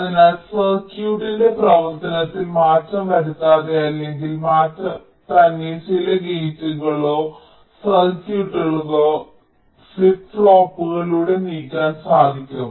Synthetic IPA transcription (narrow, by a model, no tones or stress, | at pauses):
ɐðinaːlsɐrkjuːʈːinde̞prɐʋɐrt̪ɐnɐt̪ːilmaːtːɐmkɐɽut̪ːaːðejaːleŋɡilmaːtːɐm | t̪ɐnːit͡ɕilɐɡetːuɣɐɭo̞ː | sɐrkjuːʈːeɭuɣoː | fipfɭoːpːuɣɐluːɽe̞niːkʲːaːnsaːd̪ʱikʲːɐm